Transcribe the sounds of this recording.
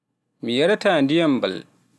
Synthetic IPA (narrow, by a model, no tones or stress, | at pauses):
mijaɾataːndijamba̰l